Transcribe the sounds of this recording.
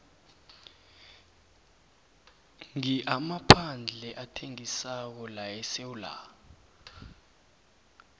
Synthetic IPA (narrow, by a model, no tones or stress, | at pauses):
ŋiʔamapʰand͡ɮʱɛʔatʰeŋisak̬ɔlajɛsewula̰